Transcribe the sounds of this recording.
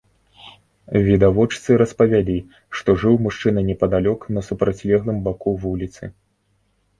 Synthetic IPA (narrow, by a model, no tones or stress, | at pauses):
vʲid̪avɔt͡ʂt̪sɨɾɐspɐvʲalʲi | ʂt̪ɔʐɨwmuʂt͡ʂɨnɐnʲɛpɐd̪alʲɔknɐsupɾat͡sʲlʲɛɣlˠɨmbakuvulʲit̪sɨ̰